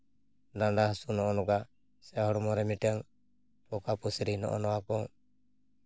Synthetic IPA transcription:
ɖaɳɖahsunɔɔnɔɡaʔ | sɛhɔɽɔmɔɾɛmiʈɛaŋ | pɔkapusɛɾinɔ̰ʔɔ̰nɔakɔ

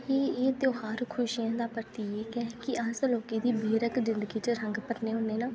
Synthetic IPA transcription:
eːeːt̪joːɦaːɾkʰʊʃijãːd̪aːpəɾt̪iːeːkɛːkɪʔasloːkẽːd̪iːbeːɾəkzɪ̃nd̪əɡiːt͡ʃəɾə̃ŋɡpəɾneːɦõːneːnaː

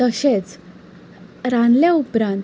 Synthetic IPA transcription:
əɕet͡s | ɾanljaupɾan

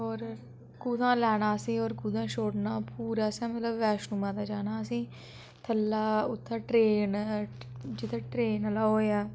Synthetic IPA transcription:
ɔːɾ | kuːd̪ãːlɛːɽ̃aːsĩːɔːɾkuːd̪ãːʃoːɽnaːpuːɾaːsɛ̃ːmət̪ləbːɛːʃnumãːd̪aːd͡ʒaːnaːsĩː | t̪ʰəlːaːʊt̪ʰːãːʈɾeːn | d͡ʒɪt̪ʰːẽːʈɾeːnəlaːɦoːaː

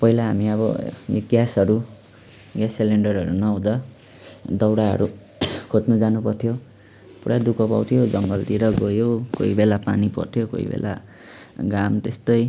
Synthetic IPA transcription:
pʌɦilaɦamiʌbʌ̰jo̰ɡjasʌɾu | ɡjasːeleɳɖʌrʌɾunawd̪a | d̪ʌwɽaɦʌ̰ɾu | kʰot̪nud͡zanupʌrt̪ʰjo | puɽad̪ukʰʌpawt̪ʰijod͡zʌŋɡʌlt̪iɾʌɡojoko̰ibelapa̰nipʌ̰rt̪ʰijoko̰ḭbḛlʔa̰ | ɡamt̪est̪ʌj

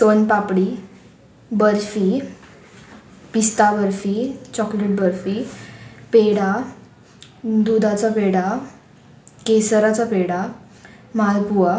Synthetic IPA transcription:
sonpapɽi | bəɾfi | pist̪abəɾfit͡ɕɔkleʈ̚bəɾfi | peɽa | d̪ud̪ʱat͡sapeɽa | kesəɾat͡sapeɽa | malpuʋa

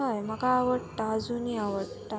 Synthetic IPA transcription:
ajm̤akaːʋəʈad͡zuniaʋəʈʈa

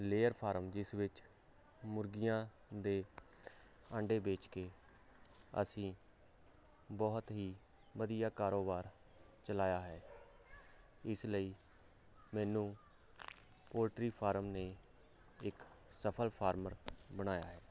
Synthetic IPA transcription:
leːəɾpʰaːɾəmd͡ʒɪsʋɪt͡ʃ | mʊɾɡɪjãː | d̪eː | ə̃ɳɖeːbeːt͡ʃkeː | ə̰sĩː | bɔːt̪ɦiː | ʋəd̪ijaːkaːɾoːbaːɾ | t͡ʃəlaːjaːɦɛː | ɪsləiː | mɛːnũː | poːɾʈɾiːpʰaːɾəmneː | ɪk | səpʰəlpʰaːɾməɾbəɽ̃aːja̰ːɦɛː

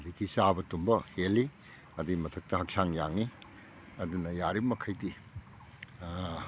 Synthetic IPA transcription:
dikisabɐtumbɐheli | ɐdiimɐtʰɐk̚tɐɦɐk̚saŋjaŋi | ɐdunɐjaɾimɐkʰɐjdi

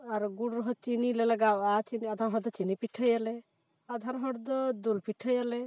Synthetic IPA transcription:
aɾɡuɽɾɔɦɔt͡ʃinilɛlaɡawat͡ʃiniad̪ʱaɾɦɔɾd̪ɔt͡ʃinipiʈʰəjalɛ | ad̪ʱaɾɦɔɽd̪ɔd̪ulpiʈʰəjalɛ

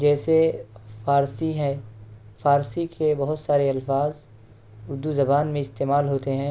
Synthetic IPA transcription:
d͡ʒɛːsefaːɾsiɦɛ̃faːɾsikʰebɐɦʊt̪saːɾeɐlfaːz | ʊɾd̪uzɐbaːnmẽɪst̪eːmaːlɦoːt̪eɦɛ̃ː

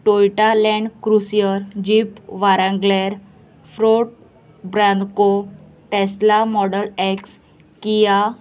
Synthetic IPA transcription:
ʈojʈalɛ̃ɳɖkɾusijəɾd͡ʑipʋaɾãŋɡlɛɾ | fɾoʈ̚ | bɾãnd̪ko | ʈeslamɔɽəlɛks | kija

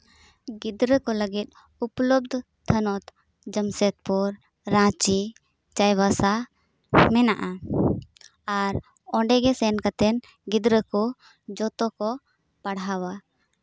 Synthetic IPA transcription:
ɡid̪ɾəkɔləɡit̪̚ | uplɔb̚d̪ʱ | t̪ʰənɔt̪ | d͡ʒəmsɛt̪̚pɔɾː | ãt͡ʃi | t͡ʃajbasa | mɛnaʔa | aɾ | ɔ̃ɖɛɡɛsɛnkat̪ɛn | ɡid̪ɾəkɔ | d͡ʒɔt̪ɔkɔ | paɽɦawa

